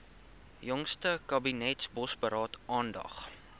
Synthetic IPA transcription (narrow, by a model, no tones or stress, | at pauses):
jɔŋstəkɐbinɛtsbɔsbəɾɑːtʔɑːndɐ̰χ